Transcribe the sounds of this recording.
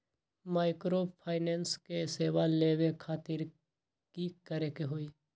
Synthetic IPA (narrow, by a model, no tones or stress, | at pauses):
maːɪkɾopʰaːɪnɛːnskeseːʋaleːʋekʰaːt̪ɪɾ | kikəɾekeɦoːiː